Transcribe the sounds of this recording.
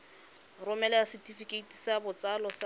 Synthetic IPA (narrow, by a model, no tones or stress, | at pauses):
rʊmɛlɛasɪtifikʼeitʼi̥sabʊt͡salɔsa